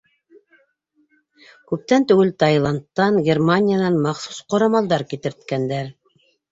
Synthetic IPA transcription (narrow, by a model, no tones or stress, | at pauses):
kʉp̚t̪ænt̪ʉɡɘlt̪ɑjlˠɑnt̪ːɑnɡʲermanʲɪjanɑnmɑχsu̥sqŏɾɑmɑlˠd̪ɑɾkit̪ɘ̆ɾt̪kænd̪æɾ